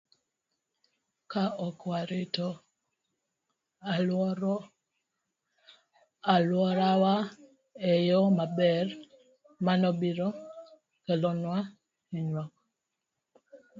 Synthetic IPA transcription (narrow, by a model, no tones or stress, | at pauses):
kaɔkwaɾɪtɔ | alwɔɾawa | ɛjɔmabɛr | manɔbiɾɔ | kɛlɔnwa | eɲwɔk̚